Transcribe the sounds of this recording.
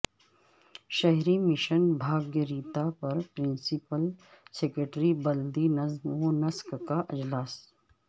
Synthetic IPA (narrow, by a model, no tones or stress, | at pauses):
ʃɐɦɾimɪʃənbʱaːɡjəɾiːt̪apɐɾpɾɪ̃nsɪpəl | seːkɾeʈɾibɐld̪inɐzmonɐskkaʔɪd͡ʒlaːs